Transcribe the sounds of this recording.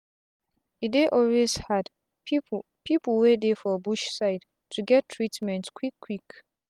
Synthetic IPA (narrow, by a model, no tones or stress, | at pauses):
ideʔɔlwez̥had | pʰipl̩ˠwedefɔbuʃsaɪd | tʰuɡɛtʰːɹitmɛ̃ntskʰwikʰːwik